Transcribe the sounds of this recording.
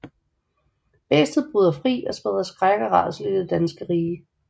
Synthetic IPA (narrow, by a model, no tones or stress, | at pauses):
b̥ḛːsd̥ð̩ˠb̥ʁuːðˠɐfʁḭːɒ̽sb̥eðˠɐsɡ̥ʁaɡ̥ɐʁɑ̰̈ːdˠslyɡ̥ðed̥ænsɡ̥əʁiːə